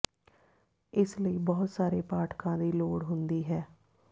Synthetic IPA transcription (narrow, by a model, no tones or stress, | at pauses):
ɪsləiːbɔːt̪saːɾeːpaːʈkãːd̪iːloːɽɦʊnd̪iːɦɛː